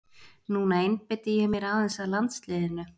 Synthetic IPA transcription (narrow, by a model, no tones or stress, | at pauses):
nuːnaejnpɪt̪ɪjɛmjɛɾaːðɛnsalant̪slɪːðɪnːʏ